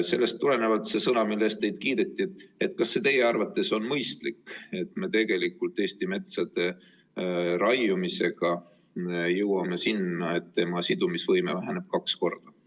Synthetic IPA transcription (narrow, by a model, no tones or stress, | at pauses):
se̞lːe̞st̪ːule̞ne̞vɑt̪se̞sɤnɑmilːe̞st̪̚e̞jd̪̥kiːd̪̥e̞t̪ˑːie̞t̪̚ːˑkɑsːe̞t̪eje̞ɑrvɑt̪ːˑe̞so̞nmɤjst̪likːe̞t̪ˑme̞t̪e̞ɡ̥e̞likːˑult̪ːˑe̞ːst̪ime̞t̪sɑd̪̥e̞ | ɾɑjumise̞ɡ̥ɑ | jɤwɑme̞sinɑet̪ːe̞mɑsid̪umisvɤjmevæɦæne̞b̥̚kɑksko̞rd̪̥ɑ